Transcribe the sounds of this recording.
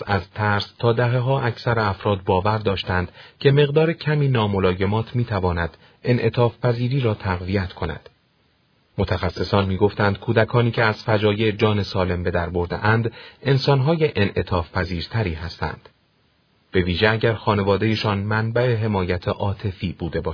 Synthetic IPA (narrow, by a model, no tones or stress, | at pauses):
sæzt̪ʰæɾst̪ʰɒːd̪æɦe̞ɦɒːʔæcʰsæɾeæfɾɒːd̪̚bɒːvæɾd̪ɒːʃt̪ænd̪̥cʰe̞me̞ɣd̪ɒːɾecʰæmiːnɒːmo̞lɒːje̞mɒːt̪ʰmiːt̪ʰævɒːnæd̪̥ | e̞nʔe̞t̪ʰɒːfpæziːɾiːɾɒːt̪ʰæɣvijæt̪kʰo̞næ̰d̪̥ | mo̞t̪ʰæxæsːe̞sɒːnmiːɡo̞ft̪ænd̪̚kʰuːd̪ækʰɒːniːcʰe̞æz̥fæd͡ʒɒːje̞d͡ʒɒːne̞sɒːle̞mbe̞d̪æɾbo̞ɾd̪ḛʔænd̪e̞nsɒːnɦɒːje̞ʔenʔe̞t̪ʰɒːfpʰæziːɾt̪ʰæɾiːɦæst̪æ̰nd̪̥ | b̥e̞viːʒeæɟæɾxɒːne̞vɒːd̪e̞je̞ʃɒːnmænbæe̞ɦe̞mɒːjæt̪ʰeʔɒːt̪ʰe̞fiːbuːd̪e̞bɒːʃ